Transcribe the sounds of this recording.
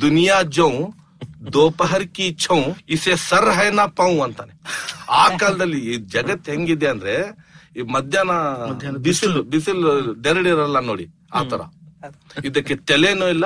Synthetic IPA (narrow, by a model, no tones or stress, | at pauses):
d̪unijaːd͡ʒɐw̃ | d̪oːpɐɦɐɾkit͡ʃʰɐ̃w̃isesɐɾɦɐjnaːpɐw̃ɐnt̪aːneaːkaːlɐd̪ɐlːid͡ʒɐɡɐt̪ːɦeŋɡid̪eɐnd̪ɐɾe | mɐd̪ʱjaːnɐbisilbisilɖeɾɽeɾɐlːɐnoːɽḭ | a̰ːt̪ɐɾɐ̰ | id̪ɐkːeʈɛlenoːilːɐ